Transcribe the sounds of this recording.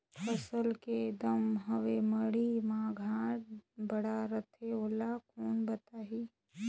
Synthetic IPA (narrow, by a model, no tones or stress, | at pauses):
pʰəsəlked̪əmɦəʋeməɽimãːɡʱãːʈ̚bəɽaɾət̪ʰeoːlakuːnbət̪aːɦiː